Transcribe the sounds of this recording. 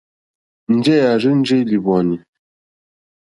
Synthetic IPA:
n̩˦d͡ʒɛ˦ja˨ɾɨ˦n̩˦d͡ʒe˦li˨bɔ˨ni˨

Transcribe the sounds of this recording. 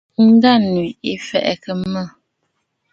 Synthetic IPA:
n̩˦da˦˨n˨i˨i˦˨fɛ̰˨ʔɛ̰˨kə˨˦mə˦˨

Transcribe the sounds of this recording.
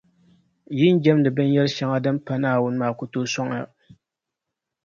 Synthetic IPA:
jɪ˦n˦d͡ʒɛ˦mdɨ˨bɛ˦n˦jɛ˦lɨ˦ʃɛ˨ŋa˦dɨ˦m˦pa˦naː˦wʊ˦n˦maː˨kʊ˦toː˦sɔ˦ŋ˦a̰˦˨

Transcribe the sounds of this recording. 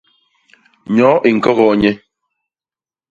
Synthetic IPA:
ɲɔ˨˦ʔi˨ŋ̩˨kɔ˦ɣɔ˨ɲɛ˦

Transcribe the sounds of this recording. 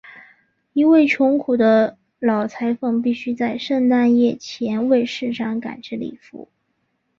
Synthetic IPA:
i˧˥we˥˩ɪt͡ɕʰjʊ˧˥ŋkʰu˨˩d̪ə˦ | lɑ˨˩ʊt͡sʰa˧˥ɪfɤ˥˧ŋpi˥˩ɕy˥t͡sa˥˧ɪʂə˥˧ŋt̪a˥˧njɛ˥˩t͡ɕʰjɛ˧˥nwe˥˧ɪʂɻ̩˥˧ʂɑ˥˩ŋka̰˨˩nʈ͡ʂi˥lḭ˨˩fṵ˧˥˦

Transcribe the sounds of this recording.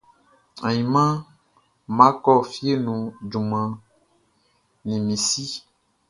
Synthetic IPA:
ã̰˨ɲĩ˨mã˦ | mã˦kɔ˦fi˦e˦nũ˨d͡ʒu˨mã˨ | nĩ˨mĩ˨si˦

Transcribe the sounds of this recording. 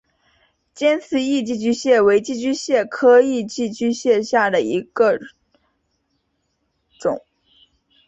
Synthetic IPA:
t͡ɕjɛ˥nt͡sʰɹ̩˥˩i˥˧t͡ɕi˥˧t͡ɕy˥ɕjɛ˥˩we˧˥ɪt͡ɕi˥˧t͡ɕy˥ɕjɛ˥˩kʰɤ˥i˥˧t͡ɕi˥˩t͡ɕy˥ɕjɛ˥˧ɕja˥˩d̪ə˩i˧˥ɡ̥ə˧ | ʈ͡ʂʊ̰˨˩˦ŋ

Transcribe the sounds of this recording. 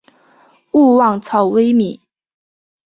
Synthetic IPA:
u˥˧wɑ˥˩ŋt͡sʰɑ˨˩ʊwe˥ɪmi˨˩˦

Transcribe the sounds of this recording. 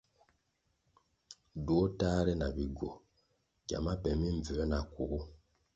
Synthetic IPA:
do˦taː˦ɾɛ˦na˨bi˨ɡo˨ | ɟa̰˨ma˦pɛ˨mi˦ɱ˨vɛ˨˦na˨ku˨u˦

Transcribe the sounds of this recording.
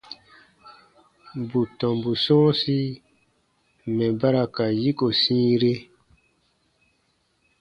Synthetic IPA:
bu˨tɔ̃˨mbu˨sɔ̃ː˦si˦ | mɛ̃˨ba˦ɾa˨ka˨ji˦ko˨sĩː˦ɾe˦

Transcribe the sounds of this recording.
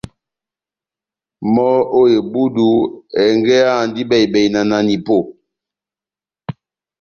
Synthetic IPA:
mɔ˦o˦je˨bu˦du˨ɛ˨ŋɡɛ˦a˦˨ndi˦bɛ˨i˨bɛ˨i˨na˨na˨ni˨po˦˨

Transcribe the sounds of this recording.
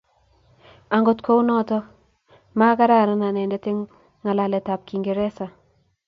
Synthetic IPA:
a˨ŋɡo˨tkʰo˦wnɔ˦tɔ˦ | ma˦ka˦ɾa˦˨ɾɔ˦na˨nɛ˨ndɛ˦tɪ˦ŋː | a˨la˨lɛ˨ta˨p̚ki˨ŋɡe˨ɾɛ˦sa˨

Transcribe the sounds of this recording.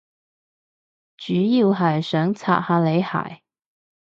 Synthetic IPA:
t͡ʃyː˨˥ji˨˧wɦɐ˨˩jsœː˨˥ŋt͡sʰa̰ː˨t̚haː˧˩le˨˧˥jha̰ː˨˩j

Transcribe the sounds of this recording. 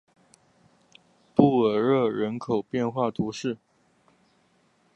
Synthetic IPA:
pu˥˩ə˨˩ɻɤ˥˩ɻə˧˥nkʰo˨˩ʊpjɛ˥˧nxwa˥˩t̪ʰu˧˥ʂɻ̩˥˩

